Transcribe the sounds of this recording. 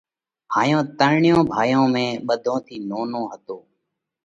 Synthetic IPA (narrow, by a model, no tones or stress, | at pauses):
ɦaːjõːt̪əɾɳjõːbʱaːjõːmẽːɓəd̪ʱõːt̪ʰiːnoːnõːɦət̪oː